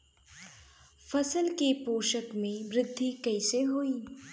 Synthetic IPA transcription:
fɐsəlkepoːʃəkmẽʋɾɪd̪ʱːikɐɪseɦoːiː

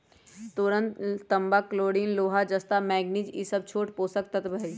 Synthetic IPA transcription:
t̪ʊɾə̃nt̪ːɐmbakloːɽiːnloːɦad͡ʒɐst̪amɛːɡnid͡ʒḭsəb̚t͡ʃʰoːʈpoːsək̚t̪ɐt̪bə

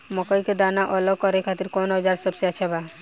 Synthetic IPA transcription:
mɔkɔjked̪anaʔɔlɔkːɔɾekʰat̪iɾkonɔd͡ʒaɾsɔbseat͡ʃʰaba

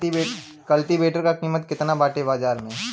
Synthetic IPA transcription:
e | kɐlʈɪbeːʈəɾkakiːmət̪̚kɪt̪nabaːʈebaːd͡ʒaːɾmẽː

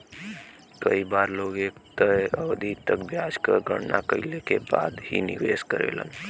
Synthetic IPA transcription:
kəibaɾloɡekt̪əəʋd̪ʱit̪əkbjad͡ʒkəɡə̰ɽna̰kəilekeba̰d̪hḭnḭʋeskəɾḛlə̰n

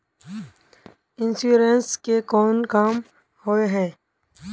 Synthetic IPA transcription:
ɪnsuɾenskekɔːnkaːm | hoeɦɛ̃ː

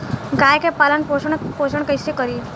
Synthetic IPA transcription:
ɡaːjkepaːlənpoːʃəɳ̃poːʃəɳkəɪsekəɾiː

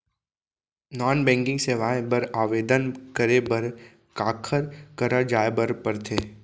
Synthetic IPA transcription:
nɔːnbɛ̃ːŋkɪ̃ŋɡseːʋaːebɐɾaːʋeːd̪ənkəɾebəɾ | kaːkʰəɾkəɾəd͡ʒaːebəɾpəɾt̪ʰeː

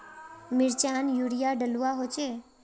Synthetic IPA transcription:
mɪɾt͡ʃanjuɽijaɖəluaɦot͡ʃʰe

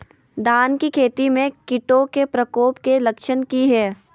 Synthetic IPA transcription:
d̪aːnkikʰeːt̪imẽkɪʈokepɾɐkoːpkelɐkʃənkiɦɛː

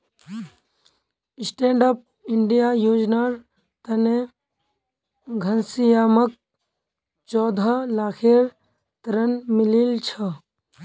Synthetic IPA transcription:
ɪsʈeːɳɖaːp̚ | ɪɳɖijaːjoːd͡ʒnaɾ | t̪ɐne | ɡʱɐnsijaːmək̚ | t͡ʃɔːd̪ʱalaːkʰeːɾ | t̪ɐɾənmɪlilt͡ʃʰɐ

